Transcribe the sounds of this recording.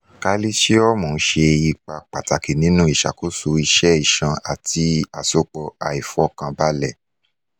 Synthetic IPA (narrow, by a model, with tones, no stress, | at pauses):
ka˧li˦ʃe˦ɔ˦mɔ̃˨˦ʃe˧ji˧k͡pa˧k͡pa˨ta˨ki˨nĩ˨˦nũ˦i˦˨ʃa̰˨ko˦so˧i˧ʃɛ˦i˦˨ʃã˧a˨ti˧a˨so˧k͡pɔ˧a˨i˨fɔ˦kã˧ba˦lɛ˦˨